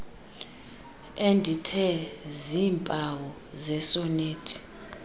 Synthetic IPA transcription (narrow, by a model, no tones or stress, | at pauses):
endʱitʰɛziːmpʼawɔ | zɛsɔneːtʰi̥